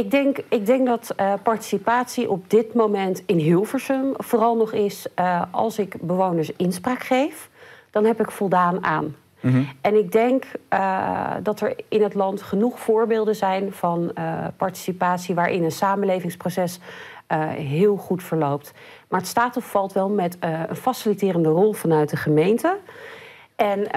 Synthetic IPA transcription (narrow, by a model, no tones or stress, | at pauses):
ɪɡ̚dɛŋkɪɡ̚dɛŋk̚dɑtpɑɹti̥sipaːtsiʔɔb̚dɪtmowmɛntɪnɦɪlˠvəɹsəmvoːrɑlˠnɔχɪsɑ̰lˠsɪkbəʋownəɹsɪnspraːkχejfd̥ɑnɦɛpɪkfɔlˠdaːna̰ːn | ɛnɪɡ̚dɛŋk | dɑtəɹɪnɦətlɑntχənuχfʊːɹbɪːlˠdəzɛjnv̥ɑnpɑɹti̥sipaːtsiʋaːɹʔɪ̰nənsaːmənlejvɪŋsprowsɛs | ɦɪːlˠχutfəɹlowp̚t | maːɹətstaːtɔsfɑlˠtʋɛlˠmɛtə̰nfasilitɪːrəndərɔlˠvɑnœɥt̚dəχəmejntə | ʔɛn